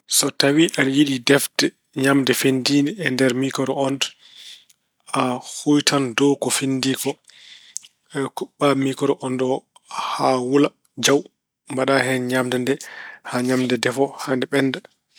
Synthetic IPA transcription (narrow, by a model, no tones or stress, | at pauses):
sɔtawiʔanjiɗidɛfdɛ | ɲamdɛfendiniɛndɛɾmikɔɾɔɔn | ahujtʰandɔkɔfindikɔ | ɛkuɓːamikɔɾɔʔɔndɔ | hawula | d͡ʒaw | mbaɗaɦɛnɲamdɛndɛhaɲamdɛdɛfɔhandɛɓɛnːda